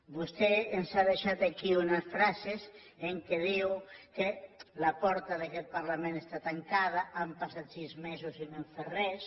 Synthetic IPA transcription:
bust̪eensaðeʃat̪akiunɐsfɾases | eŋkeðiwkelapɔɾt̪aðekɛt̪̚paɾlamẽnest̪at̪aŋkað̞aampasat̪sizmesusineɱferes

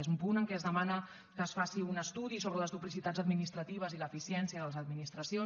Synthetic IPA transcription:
ezumpunəŋkɛəzðəmanə | kəːsfasiunəst̪uðisoβələzðuplisit̪ad͡zəd̪minist̪ɾət̪iβ̞əziləfisiɛnsiəðələzəd̪minist̪ɾəsio

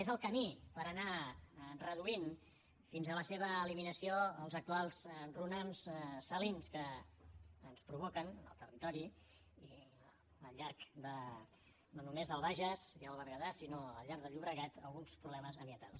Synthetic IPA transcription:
ezəlˠkəmipəɾəna | rəðuin | finzələseβ̞əːliminəsioəlˠzək̚t̪ualˠzrunamssəlinskəː | nspɾuβ̞ɔkənə̰lˠt̪ərit̪ɔɾi | i | əlʎaɾkd̪ə | nonumezðəlˠβaʒəsiəlˠβəɾɣəðasinoəlʎaɾkðəʎuβɾəɣat̪ə̰lˠɣunspɾuβlɛməzəmbjənt̪a̰lˠs

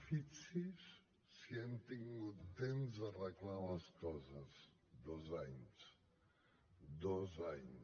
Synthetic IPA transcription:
fit͡sisː | jent̪iŋmut̪enzərəklaləskɔzəz | d̪ozaɲs | d̪ɔzaɲ

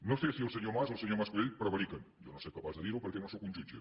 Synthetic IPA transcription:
nost̪esiolseɲomasolˠseɲomaskuleʎpɾɐβaɾikɐnjonosejkapazðeðiɾopeɾkenosokunʲd͡ʒunt͡ʃḛ

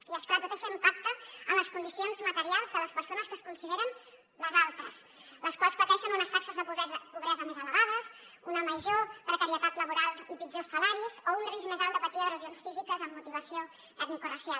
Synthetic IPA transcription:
iləskwalzət̪ɛʃənumpak̚t̪əəmləskund̪isionzmət̪əɾialˠzðələspəɾsonəskəskunsiðeɾən | ləzalˠt̪ɾəs | ləskwalˠspət̪ɛʃənunəst̪aksəzðəzpuβ̞ɾɛzəmezələɣ̞að̞əs | unəməʒopɾəkəɾiət̪at̪ləβuɾalˠipid͡ʒosːəlaɾizounrizmezalˠt̪əpət̪iðəðərəʒionsfizikəzəmːut̪iβ̞əsio | ət̪mikurəsial

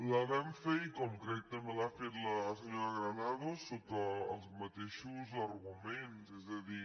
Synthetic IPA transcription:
ləβɛɱfeikɔmkɾɛk̚t̪əmelafet̪ləːsəɲoɾəɣɾənaðosotəːlˠzmət̪eʃuzəɾɣumenzɛzðəði

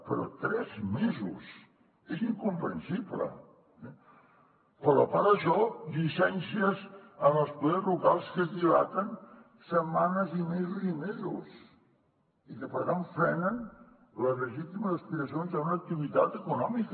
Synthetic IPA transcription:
pəɾɔ̰t̪ɾɛzmezṵs | eziŋkumpɾənsiblə̰ | ɛ | pələpaɾəʃɔʎisɛnsiəzəməlˠspuðezruɣalˠskəzðilat̪ən | səmanəzimezuzimezṵs | ikəpəɾɣaɱfɾɛnən | ləzləʒit̪iməzəspiɾəsionzəunəːk̚t̪iβ̞it̪at̪əkunɔmikə

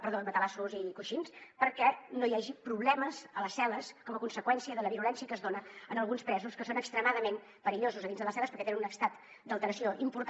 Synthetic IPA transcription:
pəɾðodət̪əlasuzikuʃinspəɾkɛnojaʒipɾuβlɛməzələsɛləskɔməkunsəkwɛnsiəðələβiɾulɛnsiəkəzðonəənəlˠɣunspɾɛzuskəsonəkst̪ɾəmaðəmem | pəɾiʎozuzəðinzðəlˠəsɛləspəɾkɛt̪enənunəkst̪at̪ | d̪əlˠt̪əɾəsioʔimpuɾt̪

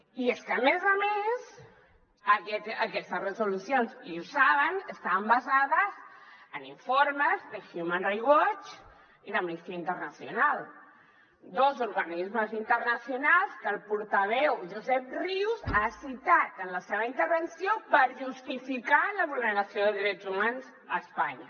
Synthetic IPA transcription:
ieskəːmezəmez | əkɛt̪əkɛst̪əzrəzulusjonziusaβənəst̪aβəmbazaðəzəniɱfoɾməzðəxjumanriɣwɔt͡ʃ | iðəmnist̪iəint̪ərnəsjṵnal | d̪ozuɾɣənizməzint̪ərnəsjunalˠskəlˠpuɾt̪aβ̞ɛwʒuzɛp̚riwzasit̪at̪ənləseβəint̪əɾβənsjopəɾʒust̪ifikaləβuləɾasjoðəðiɾɛd͡zumanz | əspaɲə̰

